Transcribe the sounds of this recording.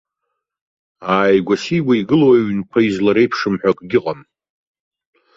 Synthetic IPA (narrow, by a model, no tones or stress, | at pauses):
aːjɡʷasiwʷaiɡɨloaɥnkʷʰaizlaɾe̞jpʰʂɨmħʷᶣakʼɡʲɪqʼam